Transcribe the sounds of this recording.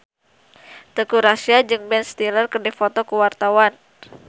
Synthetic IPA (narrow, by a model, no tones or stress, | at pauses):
t̪əkuɾasiad͡ʒɨŋbɛnst̪ilərkərdifot̪ɔkuwart̪awan